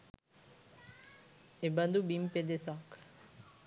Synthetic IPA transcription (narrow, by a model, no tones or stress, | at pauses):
eband̪ubimped̪esɔk